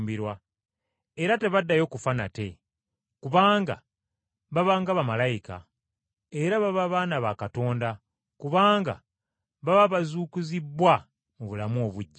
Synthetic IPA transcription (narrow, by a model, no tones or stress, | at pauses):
mbiɾwa | eɾate̞βadːajo̞ːkufana̰te̞ | kuβaːŋɡa̰ | βaβaːŋɡaβamalajika̰ | e̞ɾaβaβaβaːnaβakato̞ːnda | kuβaːŋɡa̰ | βaβaβazuːkuzibːwa | muβulamo̞βuɟːa